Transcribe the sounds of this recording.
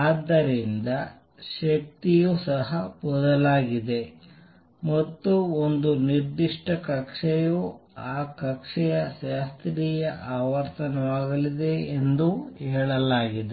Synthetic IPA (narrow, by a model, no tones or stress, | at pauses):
aːd̪ːɐɾind̪ɐ | ʃɐk̚t̪ijusɐɦɐpɔd̪ɐlaːɡid̪e̞ | mɐt̪ːuond̪uniɾd̪iʂʈɐkɐkʂɛjuaːkɐkʂɛjɐʃaːst̪ɾijɐʔaːʋɐɾt̪ɐnɐʋaːɡɐlid̪e̞end̪uhɛːɭɐlaːɡid̪e